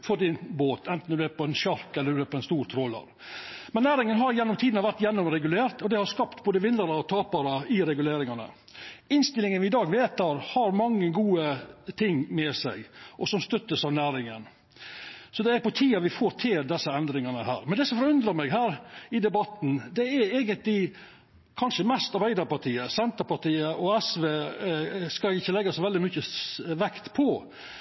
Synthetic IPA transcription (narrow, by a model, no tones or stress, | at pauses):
fɔd̪ɪnboːt̪ʰɛnt̪n̩ʉæɾpʰɔɛnʃɑɾkɛlːəd̪æɾpɔɛnst̪uːɾt̪ʰɾɔlːɑ̰ɾ | mɛnːæːɾɪŋənɦɑɾjɛnːɔmt̪ʰiːd̪nɑʋæɾʈ̪jɛnːɔmɾɛɡʉleːɾt̪ɔd̪ɛhɑɾskɑpt̪boːd̪əʋɪnləɾɑɔt̪ʰɑːpɑɾəɪɾɛɡʉleːɾɪŋɑnə̰ | ɪnst̪ɪlɪŋənʋɪɪd̪ɑːɡʋeːt̪æːɾhɑɾmɑŋːəɡuːət̪ʰɪŋːmɛsæɪʔɔsɔmst̪œt̪ːəsɑʋnæːɾɪŋən | sɔd̪ɛæɾpɔt̪ʰiːɑʋɪfoːɾt̪ʰɪld̪ɛsːəɛnd̪ɾɪŋɑnəɦæ̰ːɾmɛnd̪ɛsɔmfɔɾʉnd̪ɾɑmɛːɡɦæːɾɪd̪ɛbɑt̪n̩d̪ɛæɾeːɡənt̪lɪ | kʰɑnʂəmɛst̪ɑɾbæɪd̪ɑɾpɑʈ̪ʰiːəsɛnt̪əɾpɑʈ̪iːəʔɔɛsʋeː | skɑɪçːəlɛɡːɑsɔʋɛld̪ɪmʏçəʋɛkt̪pʰɔ